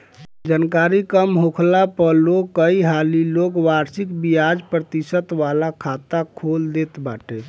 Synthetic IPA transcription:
d͡ʒankaɾikəmɦokʰlapəlokəiɦalilokwaɾsikbijad͡ʒpɾət̪isət̪ʋalakʰat̪akʰold̪et̪baʈe

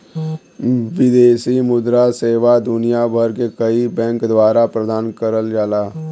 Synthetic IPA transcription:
ʋɪd̪eːsimʊd̪ɾaseːʋad̪ʊnijabʱəɾkekəibɛ̃ːŋkd̪waːɾapɾəd̪aːnkəɾəld͡ʒaːlaː

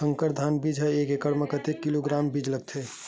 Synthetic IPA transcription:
sə̃ŋkəɾd̪ʱanbid͡ʒʱɦɛekekəɽməkət̪ekːiloɡɾaːmbid͡ʒləɡ̚t̪ʰe

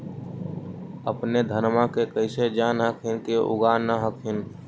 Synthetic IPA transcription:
əpned̪ʱəɾmãkekəɪsed͡ʒaːnɦəkʰɪnkeʔʊ̰ɡaːnːəɦəkʰɪn

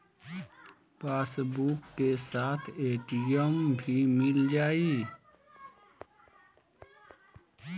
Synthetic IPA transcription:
paːsbukːesaːt̪ʰeːʈijəmbʱimɪld͡ʒaːiː

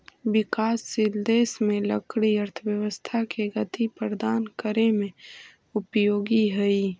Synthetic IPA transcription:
wɪkaːsːɪld̪eːsmẽləkɽiɐɾt̪ʰəwjəʋəst̪ʰakeɡɐt̪ʰipəɾd̪aːnkəɾemẽ | ʊpjoːɡiɦɐiː

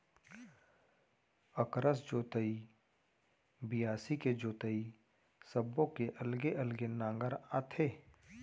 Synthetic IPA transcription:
əkɾəs̬d͡ʒoːt̪əi | bɪjaːsiked͡ʒoːt̪əi | səbːõkeʔəlɡeʔəlɡenãːŋɡəɾat̪ʰeː

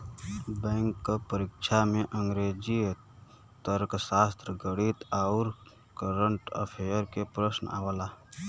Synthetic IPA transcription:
bɛ̃ːŋkːopəɾɪkʃʰamẽʔə̃ŋɡɾeːd͡ʒi | t̪əɾksaːst̪ɾəɡəɽit̪aʊɾ | kəɾəɳʈə̰pʰejəɾkepɾəsna̰ːʋəlaː

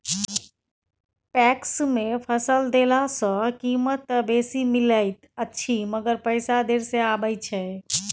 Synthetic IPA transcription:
pɛksmepʰəsəld̪elasə̃kimət̪besimiləɪt̪ətːʃʰiməɡəɾpəɪsad̪eɾseabəjt͡ʃʰɛ

